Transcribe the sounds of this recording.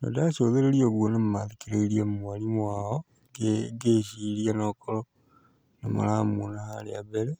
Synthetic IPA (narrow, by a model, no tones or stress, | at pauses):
no̰daʃoðeɾelioβwonemumaðekeɾeiliamumalimwao | eɡeʃilianokolo | na̰ma̰lamonahaleaβeɾe